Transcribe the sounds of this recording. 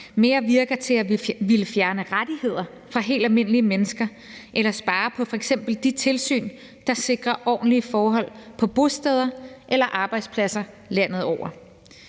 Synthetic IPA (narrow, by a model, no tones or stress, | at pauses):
me̝ːɐʋiɐɡ̥ɐt͡sʰe̝æʋiləfjæɐnəʁad̥ihe̝ð̞̰ˠɐ | fʁɑ̈ɦe̝̰ːld̥ælme̝n̰əliəmenəsɡ̥ɐ | ʔelɐsb̥ɑ̈ːpʰɒ̽fɒ̽eɡ̥sem̰b̥l̩d̥it͡sʰe̝lsy̰ːn | d̥ɑ̈se̝ɡ̥ʁɐʔɒ̰ːn̩liəfɒːɦɒ̽l̰pʰɒ̽b̥o̝sd̥ɛð̞ˠɐʔelɐʔɑ̈ːb̥ɑ̈ɪd̥spʰlæsɐ | læn̰ð̩ˠɒʊ̰ʔɐ